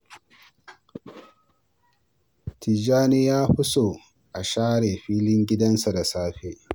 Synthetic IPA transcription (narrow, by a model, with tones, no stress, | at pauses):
tʰi˨d͡ʒaː˦ni˦jaː˦ɸʊ˦soː˨ | ʔa˨ʃaː˦ɽeː˨ɸiː˦lɪ˦ŋɡʲɪ˦dɐ˦nsa˨da˨saː˦ɸeː˦